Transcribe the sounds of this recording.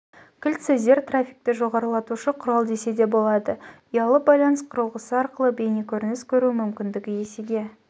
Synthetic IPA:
kʲʰɪlt̪sezd̪e̞ɾt̪rafʲik̚t̪ɪʒo̞ʁɑɾəlˠɑt̪uʃəqʰʊɾɑlˠd̪ese̞d̪e̞bo̞lˠɑd̪əijɑlˠəbɑjlˠɑnəsqʰʊɾəlˠʁəsəɑɾqəlˠəbe̞nekʲʰɵɾɪnɪskʲʰɵɾumʏmkʲɪnd̪ɪɡʲɪje̞seɡʲe̞

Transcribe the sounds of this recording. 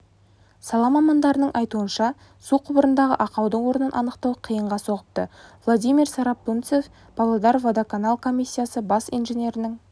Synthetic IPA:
sɑlˠɑmɑmɑnd̪ɑɾənəɴʔɑjt̪uənʃɑ | suqʰʊbəɾənd̪ɑʁə̰ʔɑqɑwd̪əɴwo̞ɾənənʔɑ̰nəqt̪ɑwəqʰijəɴʁɑso̞ʁəp̚t̪əvlˠod̪ijmiɾsɑɾɑpːunt̪sef | b̥ɑlˠɑd̪ɑɾvod̪akʰanɑlˠkʰo̞mʲijsʲːijasəbɑsijnʒe̞nʲe̞ɾɪnɪŋ

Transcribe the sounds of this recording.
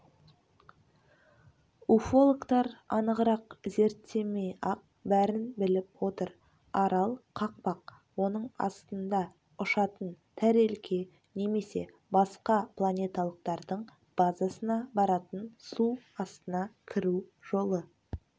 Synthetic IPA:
ufo̞lˠokt̪ɑɾɑnəʁəɾɑqze̞ɾt̪ːe̞me̞jɑq̚ | bæɾɪnbɪlɪpwo̞t̪əɾ | ɑɾɑlˠqʰɑq̚pɑq̚ | wo̞nəɴɑ̰st̪ənd̪ɑ | ʊʃɑt̪ənt̪ʰæɾe̞lkʲʰe̞ | ne̞me̞se̞̰ | bɑsqɑplˠanʲe̞t̪alˠəq̚t̪ɑɾd̪əɴ | b̥azasənɑbɑɾɑt̪ənsuɑst̪ənɑkʲʰɪɾuʒo̞lˠə

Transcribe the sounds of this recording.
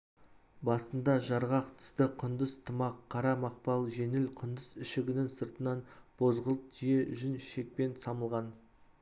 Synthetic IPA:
bɑsənd̪ɑʒɑɾʁɑqt̪ʰə̥st̪əqʰʊnd̪əzt̪ʰəmɑqʰːɑɾɑmɑq̚pɑlˠʒe̞nɪlqʰʊnd̪əzɪʃɪɡʲɪnɪŋsəɾt̪ənɑnb̥o̞zʁəlˠət̪ʰijeʒʏnʃe̞k̚pe̞nsɑməlˠʁɑn

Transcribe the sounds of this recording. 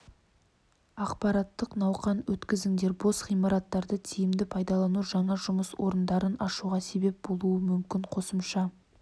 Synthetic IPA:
ɑqpɑɾɑt̪ːəqnɑwqɑnwɵt̪kʲɪzɪŋd̪e̞ɾbosʁijmɑɾɑt̪ːɑɾd̪ət̪ʰijɪmd̪ɪpʰɑjd̪ɑlˠɑnuʒɑɴɑʒʊməswo̞ɾənd̪ɑɾənɑʃuʁɑse̞be̞p̚bo̞lˠuəmʏmkʲɪɴqʰo̞səmʃɑ

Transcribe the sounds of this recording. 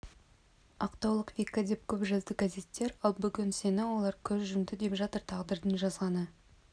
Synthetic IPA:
ɑ̰qt̪ɑwlˠəqvʲikːad̪e̞p̚kʲʰɵpʒɪlt̪ɪɡæze̞t̪ːe̞ɾɑlˠbʏɡʲɪnse̞nɪwo̞lˠɑɾkʲʰɵzʒʏmd̪ɪd̪e̞pʒɑt̪əɾt̪ʰɑʁd̪əɾd̪ənʒɑzʁɑnə

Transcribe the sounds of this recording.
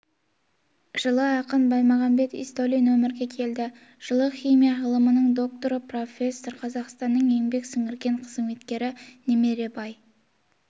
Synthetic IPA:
ʒ̥əlˠəɑqənbɑjmɑʁɑmbe̞t̪ḭst̪olʲinwɵmɪɾɡʲe̞kʲʰe̞ld̪ɪ | ʒ̥əlˠəχʲijmijaʁəlˠəmənəɴd̪o̞k̚t̪o̞ɾəpro̞fʲe̞sːo̞rqʰɑzɑqst̪ɑnːəɴembe̞ksʏŋɪɾɡʲe̞ɴqʰəzme̞t̪kʲe̞ɾɪneme̞ɾe̞bɑj

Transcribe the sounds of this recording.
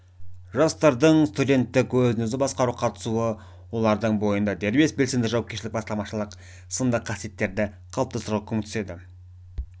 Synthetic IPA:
ʒɑst̪ɑɾd̪əɴst̪ud̪ʲe̞nt̪ːɪkwɵzɪnɵzɪbɑsqɑɾuqʰɑt̪ə̥suə | wo̞lˠɑɾd̪əɴbo̞jənd̪ɑd̪e̞ɾbe̞sbelse̞md̪ɪʒɑwɑpkʲeʃlɪk̚bɑst̪ɑlˠmɑʃəlˠəq | sənd̪əqʰːɑsije̞t̪ːe̞ɾd̪ɪ | qʰɑlˠəpt̪ɑsəɾʁəkʲʰʏmkt̪ʰʏ̥se̞d̪ɪ

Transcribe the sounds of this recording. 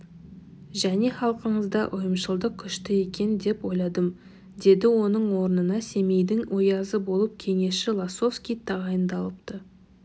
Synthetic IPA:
ʒæne̞χɑlˠqəɴəzd̪ɑʔʊjəmʃəlˠd̪əq̚kʲʰʏʃt̪ɪe̞kʲe̞nd̪e̞pwo̞jlˠɑd̪əm | d̪e̞d̪ɪwo̞nəɴwo̞ɾənənɑse̞me̞jd̪ɪŋwʔo̞jɑzəbo̞lˠəp̚kʲʰe̞ŋe̞ʃɪlˠaso̞fskʲijt̪ʰɑʁɑjənd̪ɑlˠəp̚t̪ə

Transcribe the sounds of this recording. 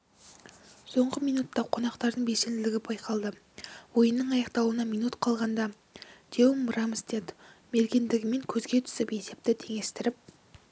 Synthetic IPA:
so̞ɴʁəmijnut̪ːɑqʰo̞nɑqt̪ɑɾd̪əɴbese̞nd̪ɪlɪɡʲɪbɑjqʰɑlˠd̪ə | wo̞jənːəɴɑjɑqt̪ɑwənɑmijnut̪qʰɑlˠʁɑnd̪ɑ | d̪̥ʰewmʊɾɑmɪst̪ed̪me̞ɾɡʲend̪ɪɡʲɪme̞ŋkʲʰɵzɡʲe̞t̪ʰʏ̥sɪpe̞se̞p̚t̪ɪt̪ʰe̞ŋe̞st̪ɪɾɪp̚

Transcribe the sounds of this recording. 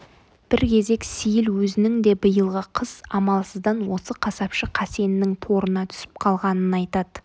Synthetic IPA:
b̥ɪɾkʲʰe̞ze̞ksijɪlwɵzɪnɪŋd̪e̞bəjəlˠʁəqʰəz̥ɑmɑlˠsəzd̪ɑnwo̞səqʰɑsɑpʃəqʰɑse̞nɪnɪŋt̪ʰo̞ɾənɑt̪ʰʏ̥sɪ̥p̚qʰɑlˠʁɑnənɑjt̪ɑd̪̥ə

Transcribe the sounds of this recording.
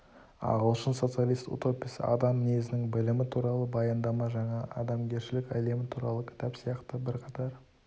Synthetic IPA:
ɑ̰ʁəlˠʃənso̞t̪sɨjalˠist̪ṵt̪o̞pisɪ̰ɑ̰d̪ɑmneɡɪzɪnɪŋbɪlɪmɪt̪ʰuɾɑlˠəbɑjɑnd̪ɑmɑʒɑɴɑʔɑd̪ɑmɡʲe̞ɾʃɪlɪkʲæ̰le̞mɪt̪ʰuɾɑlˠəkʲʰɪ̥t̪ɑpsijɑqt̪əbɪɾqʰɑt̪ɑɾ

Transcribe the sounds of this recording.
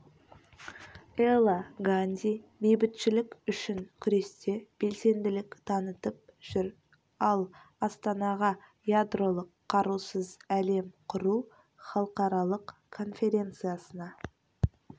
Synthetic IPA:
elˠaɡanʲd̪ʲibejbɪt̪ʃɪlɪkʲʏʃɪŋkʲʰʏɾe̞st̪e̞b̥e̞lse̞nd̪ɪlɪkt̪ʰɑnət̪əp̚ʒ̥ʏɾ | ɑlˠɑst̪ɑnɑʁɑ | jad̪ro̞lˠəqʰːɑɾusəzæle̞mqʰʊɾu | χɑlˠəqɑɾɑlˠəq | kʰːo̞nfʲe̞ɾʲe̞nt̪sɨjasənɑ

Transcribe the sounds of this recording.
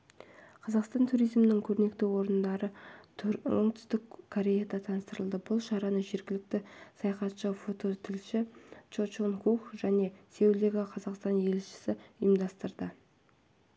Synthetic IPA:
qʰɑzɑqst̪ɑnt̪ʰuɾijzmɪnɪŋkʲʰɵɾne̞k̚t̪ewo̞ɾənd̪ɑɾə | oɴt̪ʰʏ̥st̪ɪkkʰoɾʲe̞jad̪ɑt̪ʰɑnəst̪əɾəlˠd̪əbʊlˠʃɑɾɑnəʒe̞ɾɡʲɪlɪk̚t̪ɪsɑjɑqɑt̪ʃəfo̞t̪o̞t̪ʰɪlʃɪt͡ʃot͡ʃonkʰuχʒ̥æne̞se̞wld̪e̞ɡʲɪqʰɑzɑqst̪ɑnje̞lʃɪ̥sɪʏjəmd̪ɑst̪əɾd̪ə

